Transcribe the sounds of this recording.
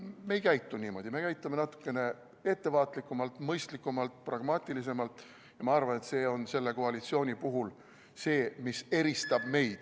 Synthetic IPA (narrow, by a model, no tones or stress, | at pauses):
me̞jkæjt̪ˑːuniːmo̞d̪̥ʲime̞kæjt̪ːˑume̞nɑt̪ːˑu̥kːˑe̞ne̞ | e̞t̪ːe̞vɑːt̪likːˑumɑlt̪ˑmɤjst̪likːˑumɑlt̪̚prɑɡ̥mɑːt̪ʲːˑilis̬e̞mɑlt̪ˑ | jɑmɑɑrvɑne̞t̪se̞ːo̞nse̞lːe̞ko̞ɑlit̪sio̞ːnʲipuɦul | se̞ːmise̞ɾist̪ɑb̥me̞jd̪̥